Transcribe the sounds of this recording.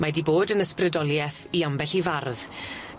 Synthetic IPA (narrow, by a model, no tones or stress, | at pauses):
madiboːdənəsprɨdɔlˠjɛθiambɛɬivarð